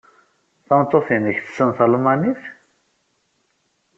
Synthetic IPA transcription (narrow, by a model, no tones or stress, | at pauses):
θɑnt̪ˤːoθinəçθə̥sənθəlmɑniθ